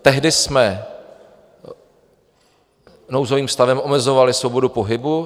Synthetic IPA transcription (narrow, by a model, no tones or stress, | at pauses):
t̪ɛɦdɪsmɛ | no̞wzo̞viːmfst̪avɛmʔo̞mɛzo̞valɪsvobo̞dupo̞ɦɪbu